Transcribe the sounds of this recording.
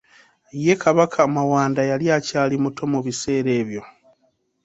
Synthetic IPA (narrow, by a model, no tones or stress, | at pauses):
je̞kʰaβakʰamawaːndajaljacaːlimuto̞muβise̞ːɾe̞ːβjo̞